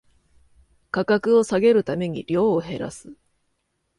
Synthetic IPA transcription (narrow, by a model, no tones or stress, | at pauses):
kakakɯ̟o̞saɡe̞ɾɯ̟t̪ame̞ɲ̟iɾʲo̞ːɦe̞ɾa̰sɨ̥